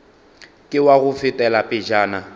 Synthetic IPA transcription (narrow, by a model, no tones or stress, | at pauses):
kʼɪwaɣʊfɪtʼɛlapʼɪd͡ʒaːna